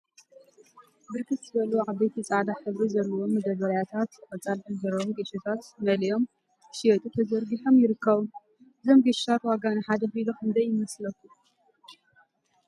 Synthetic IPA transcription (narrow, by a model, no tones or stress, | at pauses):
bɨɾkʰɨt̪zɨbɐluʕabɐjt̪ʰit͡sʼad̪aħɨβɾizɐɾɐβomːɐd̪ɐβɐɾjat̪ʰat̪ɨkʼɐt͡sʼalħɨnzɐɾomɡeʃɐt̪ʰat̪mɐlijo̞m | ʃiɐt̪ʼut̪ʰɐzɐɾɡiħomjɪɾɨkːɐβum | ʔɨzomɡeʃi̥t̪ʰat̪waɡanɨħad̪ɐxɨilokɨnd̪ɐjːɪmɐslɐkːu